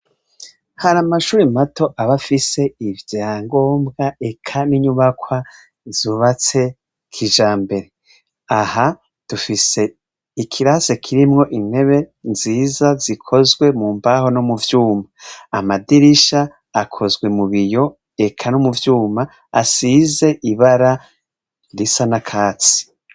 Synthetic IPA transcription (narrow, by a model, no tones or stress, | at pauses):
haɾamaʃuːɾimatʰo̞ʔaβafise̞ivjaːŋɡo̞ːmbɡae̞kʰaniɲuβakwa | zuβat͡se̞ | kʰiʒaːmbe̞ɾe̞ | aha | d̥ufise̞ | ikʰiɾase̞kʰiɾimŋo̞ʔimhe̞βe̞nziːzazikʰo̞zɡwe̞muːmbaɦo̞nomuvjuːmaamadiɾiʃaː | kʰo̞zɡwe̞muβijo̞ | e̞kʰanomuvjuːma | asize̞ʔiβaɾa | ɾisanakʰaːt͡si̥